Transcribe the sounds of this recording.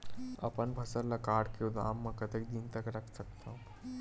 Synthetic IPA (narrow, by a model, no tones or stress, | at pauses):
ə̰pənbʱəsəlləkaːɽkeud̪a̰mːə̃kət̪ekd̪int̪əkɾəkʰsəkt̪ʰə̃